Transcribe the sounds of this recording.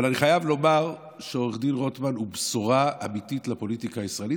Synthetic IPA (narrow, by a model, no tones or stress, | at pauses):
valaniχajavlo̞maʁ | ʃeoʁeχdinʁo̞tmanhubsoʁaamititlapo̞litikaisʁaeli